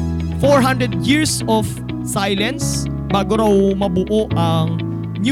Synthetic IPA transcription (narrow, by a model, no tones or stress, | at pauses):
foɹɦand̪ɾɛd̪̚jiɹsɔf | sajlɛns | baːɡoɾawmɐbʊʔoʔɐŋ | n